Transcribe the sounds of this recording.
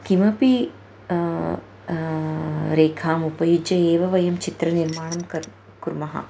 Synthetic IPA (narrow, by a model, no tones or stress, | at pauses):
kimɐpi | ɾeːkʰaːmupɐjud͡ʒjɐeːʋɐʋɐjɐmt͡ʃit̪ɾɐniɾmaːɳɐmkɐ | kuɾmɐɦɐ̰